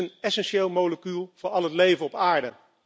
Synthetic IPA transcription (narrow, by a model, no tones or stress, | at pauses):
ənɛsɛnʃeːlˠmowləkylˠv̥ʊːɹɑlˠɦətlejvənɔpaːɹdə